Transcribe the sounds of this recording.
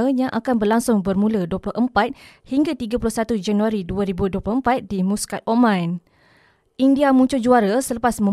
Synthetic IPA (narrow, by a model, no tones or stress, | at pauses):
əɲãʔakanbərlaŋsʊŋbərmũləduəplʊhʔəmpat̪̚hiŋɡat̪iɡapulʊhsat̪ud͡ʒanuaɾiduaɾibuduəplʊhəmpat̪̚dimuskat̪̚omãn | ʔindiamũɲt͡ʃʊd͡ʒuaɾasələpasmə̃